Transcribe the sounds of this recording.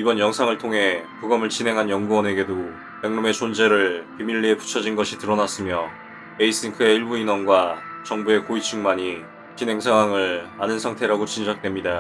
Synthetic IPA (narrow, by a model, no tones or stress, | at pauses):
ibʌnjʌŋsʰaŋɯɭtʰoŋɦe̞puɡʌmɯɭt͡ɕinɦe̞ŋɦanjʌŋɡuʌne̞ɡe̞do | peŋnume̞t͡ɕond͡ʑe̞ɾɯɭkimiɭːiepu̥t͡ɕʰʌd͡ʑinɡʌɕʰitɯɾʌnas͈ɯmjʌ | eis͈iŋkʰɯe̞iɭbuinwʌnɡwat͡ɕʌŋbue̞koit͡ɕʰuŋmaɲi | t͡ɕinɦe̞ŋsʰaŋɦwaŋɯɭanɯnsʰaŋtʰe̞ɾaɡot͡ɕind͡ʑak̚t͈we̞mɲida